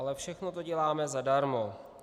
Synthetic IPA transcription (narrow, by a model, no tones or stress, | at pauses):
alɛfʃɛxnot̪o̞ɟɛlaːmɛzadaɾmo